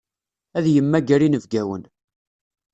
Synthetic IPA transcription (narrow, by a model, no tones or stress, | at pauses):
æðjəmːæɡæɾinəvɡæwə̰n